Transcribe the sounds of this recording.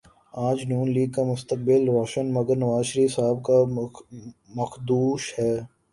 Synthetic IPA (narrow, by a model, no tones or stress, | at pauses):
aːd͡ʒnuːnliːɡ̚kamʊst̪ək̚bɪlɾɔːʃənmɐɡəɾnɐʋaːzʃəɾiːfsaːb̚ka | mɐxd̪uːʃhɛː